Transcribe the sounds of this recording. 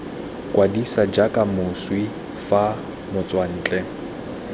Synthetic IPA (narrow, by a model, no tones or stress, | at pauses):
kʼwadisad͡ʒakʼamʊswi | fa | mʊt͡sʼwan̩ːt͡ɬʼɛ